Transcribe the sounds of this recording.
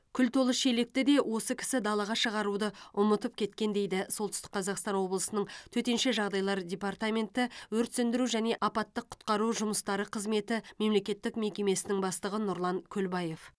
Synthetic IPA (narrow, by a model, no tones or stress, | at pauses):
kʲʰʏlt̪ʰo̞lˠəʃelek̚t̪ɪd̪e̞wo̞səkʲʰɪ̥sɪd̪ɑlˠɑʁɑʃəʁɑɾud̪əʊmət̪əp̚kʲʰe̞t̪kʲe̞nd̪e̞jd̪ɪso̞lˠt̪ʏst̪ɪ̥k̚qʰɑzɑqst̪ɑnwo̞blˠəsənəɴt̪ʰɵt̪e̞nʃe̞ʒɑʁd̪ɑjlˠɑɾdʲe̞part̪amʲe̞nt̪ɪwɵɾt̪sɪnd̪ɪɾuʒæne̞ʔɑpɑt̪ːəqʰːʊ̥t̪qɑɾuʒʊməst̪ɑɾəqʰəzme̞t̪ɪme̞mle̞kʲe̞t̪ːɪkme̞kʲe̞me̞sɪnɪŋbɑst̪əʁənʊɾlˠɑŋkʲʰɵlbɑje̞f